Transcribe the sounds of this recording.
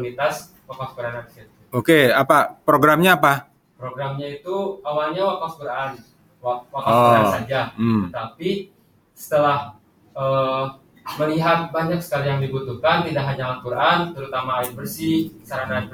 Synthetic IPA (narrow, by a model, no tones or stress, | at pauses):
unit̪as | wakafkuɾananiset̪ | okeapapɾoɡɾamɲaːpa | pɾoɡɾamɲait̪uawalɲawakafkuɾaan | wawakakuɾaansad͡ʒaət̪api | sə̥t̪əlah | ʔəː | məliɦat̪̚baɲak̚sə̥kalijaŋdibut̪uhkant̪idakɦaɲaakuɾʔant̪əɾut̪amainfərsiəsaɾana